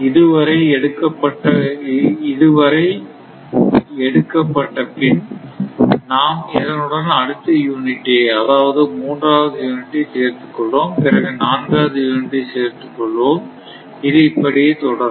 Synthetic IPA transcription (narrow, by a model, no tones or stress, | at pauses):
ɪðɯʋɐɾɐɪɛɽɯkːɐpːɐʈːɐ | ɪðɯʋɐɾɐɪ | ɛɽɯkːɐpːɐʈːɐpɪn | naːmɪðɐnɯɽɐnɐɽɯt̪ːɐjuːnɪʈːeːɐðaːʋɐðɯmuːndraːʋɐðɯjuːnɪʈːiseːɾt̪ɯkːɔɭːoːmpɪɾɐɣɯnaːnɡaːʋɐðɯjuːnɪʈːiseːɾt̪ɯkːɔɭːʋoːm | ɪðɯɪpːɐɽɪjeːt̪ɔɽɐɾ